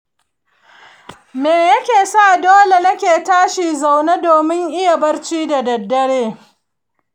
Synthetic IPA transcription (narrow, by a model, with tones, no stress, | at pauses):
meː˨jɐ˦kʲeː˨saː˦˨doː˦le˨nɐ˦kʲeː˨taː˦ʃi˨za˨wna˦doː˨mɪ˦ŋʔɪ˦ja˨bɐ˦rt͡ʃiː˦da˨dɐ˨dːɐ˦ɽeː˦